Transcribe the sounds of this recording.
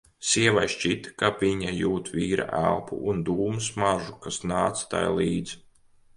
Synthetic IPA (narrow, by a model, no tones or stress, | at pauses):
siɛvajʃt͡ʃit̪kapvʲiɲajuːt̪viːɾʔa̰ʔælˠpṵʔund̪uːmɨsmaʒukasnaːt̪st̪a̰jliːd̪z